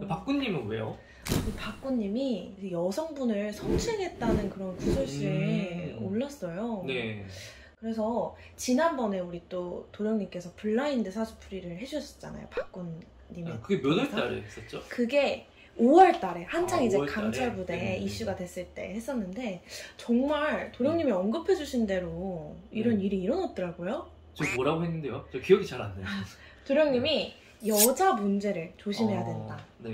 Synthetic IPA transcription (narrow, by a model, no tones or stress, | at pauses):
pak͈uɲːimɯnɡuḛjo | kɯpak͈̚uɲːimijʌsʰʌŋbunɯɭsʰʌŋt͡ɕʰɯɭɡe̞t̚t͈anɯnkɯɾʌnkusʰoɭɕ͈i | oɭːas͈ʌjone | kɯɾe̞s̬ʰʌ | t͡ɕinanbʌne̞uɾit͈otoɾjʌŋɲimk͈e̞sʰʌpuɭːaindɯsʰasʰu̥pʰuɾiɾɯɭɦe̞d͡ʑus͈ʌ̥t͡ɕ͈a̰na̰jo̰pak͈unː | imekɯɡemjonɯɭt͈aɾḛɦes͈ʌt̚t͡ɕ͈okɯɡe̞ | owʌɭt͈aɾe̞hand͡ʑʰaŋid͡ʑe̞kamt͡ɕʰaɭbudeiɕ͈uɡadwe̞s͈ɯɭt͈e̞̰he̞s͈ʌnːɯnde̞t͡ɕʌŋmaɭtoɾjʌŋɲimiʌnɡɯpʰe̞d͡ʑuɕʰinde̞ɾoiɾʌniɾiːɾʌnʌt̚t͈ɯɾaɡojo | t͡ɕomʌɾaɡoɦenːɯnde̞jot͡ɕʌkijʌɡit͡ɕaɾa̰nːe | toɾjʌŋɲimi | jʌd͡ʑamund͡ʑe̞ɾɯɭt͡ɕoɕʰimɦe̞jadwendane